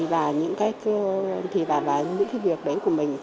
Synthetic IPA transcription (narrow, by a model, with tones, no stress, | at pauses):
vaː˨˩ɲɨ̰˧˥ŋkaː˨˦˥jkt̪ʰi˨˩vaː˨˩vaː˨˩ɲɨ̰˧˥ŋkaː˨˦vi˨˩ək̚ɗə˨˦jku˧˩əmï˨˩ŋ̟